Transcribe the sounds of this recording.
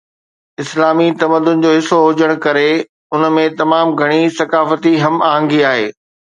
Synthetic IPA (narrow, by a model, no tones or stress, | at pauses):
ɪslaːmit̪ɐməd̪ʊnd͡ʑoːɦɪsoɦʊd͡ʑəɽ̃kɐɾe | ʊnə̆mẽt̪ɐmaːmɡʱɐɽ̃isɐkaːfət̪iɦɐmaːɦə̃ŋɡiaːɦḛː